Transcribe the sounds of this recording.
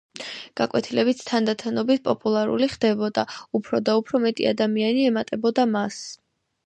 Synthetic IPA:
ɡ̥akʼwɛt̪ʰilɛbit̪t̪ʰand̪at̪ʰanɔbit̪̚ʰpʼɔpʼulˠaɾṵliχd̪̥ɛbɔd̪aupʰɾɔd̪aupʰɾɔmɛt̪ʼḭa̰d̪amianiɛmat̪ʼɛbɔd̪amas

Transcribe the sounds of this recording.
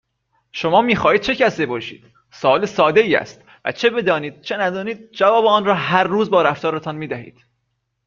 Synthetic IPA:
ʃo̞mɒːmiːxɒːhiːd̪̚t͡ʃʰe̞cæsebɒːʃḭːd̪̥ | soɒːlesɒːd̪eiːæ̰st̪ | væ̰t͡ʃʰe̞be̞d̪ɒːniːd̪̚t͡ʃʰe̞næd̪ɒːniːd̪̥̚d͡ʒævɒːbeɒːnrɒːɦæɾːuːzbɒːɾæft̪ɒːɾet̪ʰɒnmiːd̪æhḭːd̪̥

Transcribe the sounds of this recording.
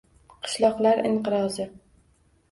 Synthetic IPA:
qʰɨ̥ʃlˠɒqlˠaɾɪ̰ɴqɨɾɒzɪ

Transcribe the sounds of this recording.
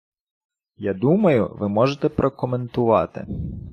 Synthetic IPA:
jɑd̪umɐjʊ̰ʋɪmɔʒet̪ɛpɾʔɔkɔment̪ʊʋɑt̪ɪ̰

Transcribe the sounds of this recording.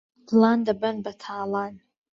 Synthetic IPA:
dlandabɐnbatʰaːlan

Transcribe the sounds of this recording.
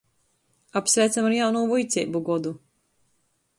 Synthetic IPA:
apsvæːt̪samaɾjawnuːvujt̪sʲḛːbuɡɔd̪u

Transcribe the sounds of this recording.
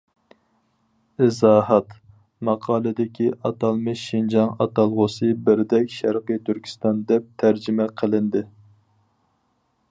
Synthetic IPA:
ɪzɑːhɑt̪ | mɑqʰɑːlˠɨd̪ɪkʲʰiʔɑt̪ʰɑlˠmɨʃind͡ʒɑŋɑ̰t̪ɑlˠʁosɨbɪɾd̪ɛkʲʃæɾqɨjt̪ʰyɾkʲʰi̥st̪ɑnd̪ɛp̚t̪ʰæɾd͡ʒɪmɛqʰəlˠɪnd̪ɪ

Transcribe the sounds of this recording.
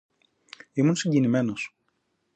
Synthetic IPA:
imunsiɲɟinime̞no̞s

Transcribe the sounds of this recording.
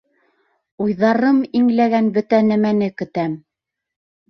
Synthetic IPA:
ujðɑɾɤmiŋlæɡænbɵt̪ænæmænɘkɵ̆t̪æm

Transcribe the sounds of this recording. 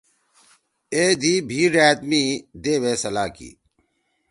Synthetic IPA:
eːd̪iːbʱiːɾæːt̪miːd̪eːʋeːsɐlaːkḭː

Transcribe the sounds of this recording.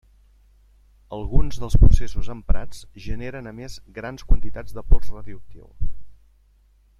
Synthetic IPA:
əlˠɣunzðəlˠspɾusesuzəmpɾa̰t͡sʒəneɾənəmezɣɾanskwənt̪it̪ad͡zd̪əpɔrzraðiək̚t̪ḭlˠ

